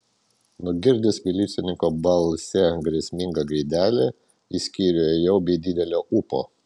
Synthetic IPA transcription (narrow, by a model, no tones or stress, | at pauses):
nʊɡʲɪɾʲd̪ʲɪsʋʲɪlʲiːsʲɪnʲɪŋkoːbɐlˠsʲɛɡɾʲɛsʲmʲɪŋɡɐɡɾʲɪːd̪ʲæːlʲe | isʲkʲiːɾʲejɛʊbʲɛːd̪ʲɪd̪ʲɛlʲoːʔupo̰ː